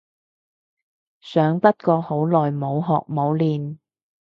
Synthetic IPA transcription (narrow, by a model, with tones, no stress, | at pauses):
sœː˨˥ŋpɐ˥t̚kɔː˧ho˨˥wlɔː˨jmo˨˧wɦɔː˨k̚mo˨˧wliː˨n